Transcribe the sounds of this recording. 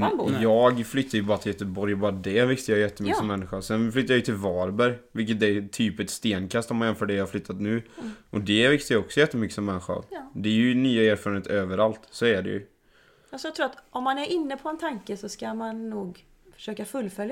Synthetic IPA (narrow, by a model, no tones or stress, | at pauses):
jɑːɡflʏt̪ʰːaɾjʉbɑːɾat̪ʰɪljɛt̪ːəbɔɾjbɑːɾad̪ɛvɪkt̪əjɑjɛt̪ːəmʏkəsɔmːɛnːɪɧasɛnflʏt̪ːajɑjʏt̪ʰɪlvɑːɾbæɾjvɪlk̬ːət̪̚ɛt̪ʰyːpɛt̪st̪eːnkʰast̪ːɔmanjɛnfœːɖɛjɑhaɾflʏt̪ːat̪nʉ̟ːʔɔd̪ɛvɪkt̪əjaɔksɔjɛt̪ːəmʏkːəsɔmːɛnːɪɧa̰d̪ɛɾjɵnyːaeːɾfːɾaneːt̪øːvəɾalt̪sɔɛɖɛ̰jɵ̰ | asɔjat̪ɾuːat̪ʔɔmːanæɾʔɪnːəpʰɔɛnt̪ʰaŋkəsɔskamanːuːɡ | fœ̥ʂøːkafɵlːfœlja